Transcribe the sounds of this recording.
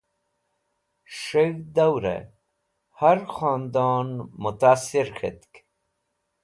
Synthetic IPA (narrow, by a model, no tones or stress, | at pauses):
ʂeɣd̪awɾḛ | haɾxɑːnd̪ɑːnmʊt̪aːsiɾxet̪k